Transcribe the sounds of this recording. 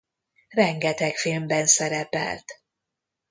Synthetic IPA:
rɛŋɡɛt̪ɛkfilmbɛnsɛɾɛpɛ̰lt̪

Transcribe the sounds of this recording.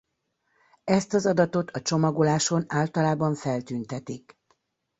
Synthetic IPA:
ɛst̪ɒzɒd̪ɒt̪o̞t̪ʰɒt͡ʃo̞mɒɡo̞laːʃo̞naːlt̪ɒlaːbɒɱfɛlt̪yːnt̪ɛt̪ik

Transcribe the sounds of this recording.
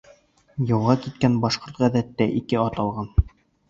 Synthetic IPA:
jɤ̆wʁɑkit̪̚kænbɑʃqoɾt̪ʁæðæt̪ːæʔikɘɑt̪ɑlˠʁɑn

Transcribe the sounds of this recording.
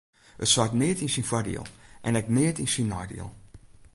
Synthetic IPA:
ə̰tsatniətinsinfɐdḭə̰lˠʔɛ̰̃nɛkniətinsinːɑjdḭə̰lˠ

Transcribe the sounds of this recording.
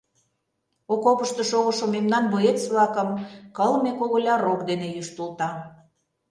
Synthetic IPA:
okopəʃt̪ŏʃoɣə̆ʃomemnɑnboet͡sβlɑkəmkəlmekoɣolʲɑɾokd̪enejyʃt̪ult̪ɑ

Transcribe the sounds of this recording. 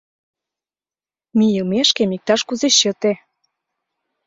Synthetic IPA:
mijəlmeʃkemik̚t̪ɑʃkuzeɕɤt̪e

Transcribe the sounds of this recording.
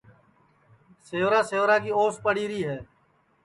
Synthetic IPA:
seːʋɾaːseːʋɾãːkiːoːspəɽiːɾiːɦɛː

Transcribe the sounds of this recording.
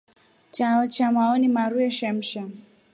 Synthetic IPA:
t͡ʃaɔt͡ʃamaɔnimaɾuɛʃam̩ʃa

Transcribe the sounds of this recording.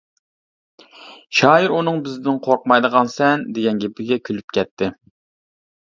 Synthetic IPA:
ʃɑːjiɾunɨŋbɪzd̪ɪnqʰoɾqmɑjd̪əʁɑnsɛnd̪eɡʲɛnɡʲepɪɡʲɛkʲʰylypkʲʰɛt̪ʰːɪ

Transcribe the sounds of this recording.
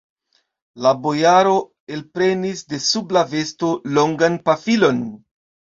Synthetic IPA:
labo̞jaɾo̞ | e̞lpɾe̞nisde̞sublave̞sto̞lo̞ŋɡanpafilo̞n

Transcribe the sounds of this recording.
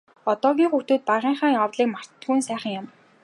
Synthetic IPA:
ɔt̪ɔːɣʲiːŋχut̪uːt̪̚paʁiːɴχaːjɔwt̪ɮiːkmar̥t̪t̪ɡujnsæːχə̆ŋjʊm

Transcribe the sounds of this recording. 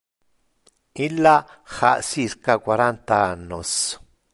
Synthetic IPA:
ilaxa̰ʔsiskakʷwaɾant̪aanos

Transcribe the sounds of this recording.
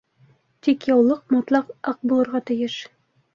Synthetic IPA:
t̪ikjɑwlˠɤqmɑt̪lˠɑqɑq̚bulˠɤ̆ɾʁɑt̪ɘ̆jɘʃ

